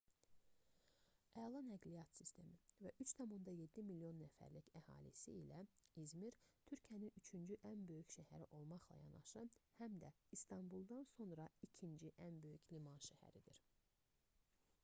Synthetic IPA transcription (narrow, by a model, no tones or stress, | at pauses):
ʔælˠɑnæɡlijɑt̪sist̪ʰe̞mivæʔyt͡ʃt̪ʰɑmund̪ɑje̞d̪ːimilːijo̞nːæfæ̰ɾlicæhɑ̰ːlḭsiilæizmiɾt̪ʰyɾcʰijæninyt͡ʃʰynd͡ʒyʔænbø̞jycʃæhæɾiʔo̞lˠmɑχlˠɑ̰jɑ̰nɑ̰ʃɯhæmd̪æist̪ʰɑnbulˠd̪ɑnso̞nɾɑicʰind͡ʒiʔænbø̞jyclimɑnʃæhæ̰ɾid̪iɾ